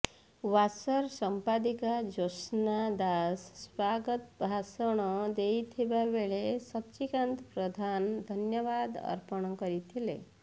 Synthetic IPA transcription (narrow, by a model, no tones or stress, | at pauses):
wasəɾsəmpad̪ikad͡ʒosnad̪asːwaɡət̪bʱasəɽ̃ɔd̪ejt̪ʰibabeɭesʌtt͡ʃikant̪pɾɔd̪ʱand̪ʱənjəβad̪ʌ̰ɾpəɽ̃kʌɾit̪ʰilḛ